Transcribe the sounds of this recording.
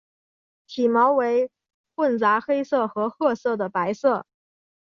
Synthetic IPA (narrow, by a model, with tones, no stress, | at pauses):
tʰi˨˩mɑ˧˥ʊwe˧˥ɪ | fwə˥˩nt͡sa˧˥xe˥ɪsɤ˥˩xɤ˧˥xɤ˥˧sɤ˥˩d̪ə˩pa˧˥ɪsɤ˥˩